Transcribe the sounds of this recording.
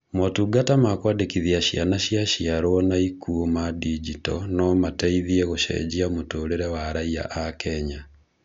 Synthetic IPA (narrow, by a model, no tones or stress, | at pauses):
mɔtuɡatamakwadekiðiaɕianaɕiaɕiaɾwɔnaikuomadid͡ʑitɔnɔmatɛiðiɛɣoʃɛ̰d͡ʑiamotoːɾeɾɛwaɾaia̰ʔakɛɲa